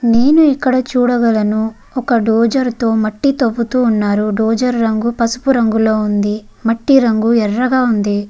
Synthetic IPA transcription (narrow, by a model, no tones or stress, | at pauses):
neːnuikːɐɽɐt͡ʃuːɽɐɡɐlɐnu | ɔkɐɖoːd͡ʒɐɾt̪o̞ːmɐʈːit̪ɐʋːut̪uːnːaːɾuɖoːd͡ʒɐɾːɐŋɡupɐsu̥puɾɐŋɡulo̞ːund̪i | mɐʈːiɾɐŋɡuɛrːɐɡaːund̪i